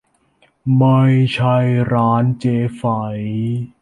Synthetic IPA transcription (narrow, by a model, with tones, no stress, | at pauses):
ma˧jt͡ɕʰa˧jɾaː˦˥nt͡ɕeː˧fa˩˦j